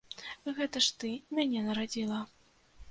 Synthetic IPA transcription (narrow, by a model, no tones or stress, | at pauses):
ɣɛt̪ɐʂt̪ɨmʲanʲɛnɐɾad͡zʲilˠɐ